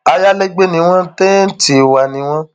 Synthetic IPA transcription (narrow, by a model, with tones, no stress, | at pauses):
a˧ja˦lɛ˦ɡ͡be˦nĩ˧w̃ɔ̃˦te˦n̩˦ti˨wa˨nĩ˨˦w̃ɔ̃˦